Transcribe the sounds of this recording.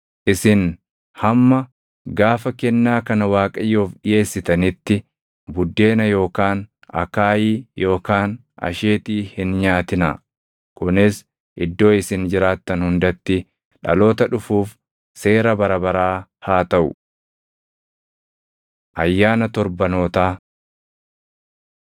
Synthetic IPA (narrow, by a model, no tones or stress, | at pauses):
ʔɪsɪn | hɐmːɐ | ɡaːfɐkɛnːaːkɐnɐwaːkʼɐjːoːfɗɪje̞ːsːɪt̪ɐnɪt̪ːɪ | bʊd̪ːe̞ːnɐjo̞ːkaːn | ʔɐ̰kaːjiːjo̞ːkaːn | ʔɐ̰ʃeːt̪iːhɪnɲaːt̪ɪnɐ | kʊnɪs | ʔɪd̪ːo̞ːɪsɪnd͡ʒɪɾaːt̪ːɐnhʊnd̪ɐt̪ːɪ | ᶑɐ̰lo̞ːt̪ɐᶑʊfuːf | se̞ːɾɐbɐɾɐbɐɾaːhaːt̪ɐʔʊ̰ | ʔɐjːaːnɐt̪ɔɾbɐno̞ːt̪aː